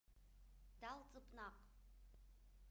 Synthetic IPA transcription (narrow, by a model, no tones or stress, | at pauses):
d̥alˠt͡sʼɨpʼnɑq